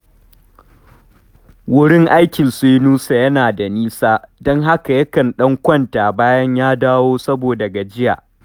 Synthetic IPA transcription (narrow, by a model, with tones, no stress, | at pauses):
wʊ˦ɽɪ˦ŋʔa˦jkʲɪ˨nse˦nuː˦sa˨jɐ˦naː˨da˨niː˦saː˦dɔ˦ŋɦa˦ka˨jɐ˦kɐ˨nɗɐ˦ŋkʷɔ˦ntaː˨baː˦jɐ˦ɲjaː˦daː˦woː˦sɐ˦boː˨dɐ˨ɡa˨d͡ʒɪ˦ja̰ː˨ʔ